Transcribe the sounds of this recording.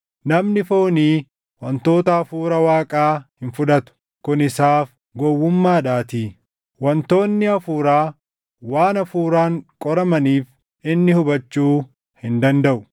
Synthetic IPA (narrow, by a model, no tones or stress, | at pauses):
nɐmnɪfoːniː | wɐnt̪o̞ːt̪ɐːfuːɾɐwaːkʼaːhɪnfʊᶑɐt̪ʊ̥ | kʊnɪsaːf | ɡɔwːʊmːaːᶑaːt̪iː | wɐnt̪o̞ːnːɪɐfuːɾaː | waːnɐfuːɾaːŋkʼɔɾɐmɐniːf | ʔɪnːɪhʊbɐt͡ʃːuː | hɪnd̪ɐnd̪ɐʔʊ